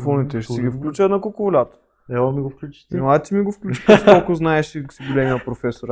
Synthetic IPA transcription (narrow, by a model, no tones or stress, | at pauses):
fonit̪ɛʃt̪iɡifklʲut͡ʃɐt̪nɐkokovolʲat̪ə̥ | ɛɔmiɡofklʲut͡ʃi̥t̪ninoat̪imiɡofklʲut͡ʃi̥ksolˠkʊznaɛʃisiɡolʲɛmiɐpɾofɛsoɾ